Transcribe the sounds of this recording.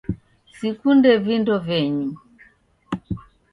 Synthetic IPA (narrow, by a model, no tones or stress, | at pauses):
sikundɛvindɔvɛɲu